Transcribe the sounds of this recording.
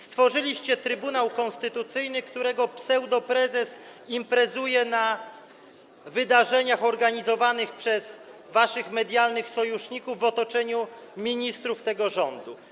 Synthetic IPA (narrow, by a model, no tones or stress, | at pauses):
st̪fɔʐɘlʲiɕt͡ɕɛt̪ɾɘbunawkɔ̃nst̪ɘt̪ut̪sɘjnɘkt̪uɾɛɡɔpsɛwd̪ɔpɾɛzɛsimpɾɛzujɛna | vɘd̪aʐɛɲaxɔɾɡaɲizɔvanɘxpʂɛz | vaʂɘxmɛd̪ʲjalnɘxsɔjuʂɲikuvːɔt̪ɔt͡ʂɛɲumʲiɲist̪ɾuft̪ɛɡɔʐɔnd̪u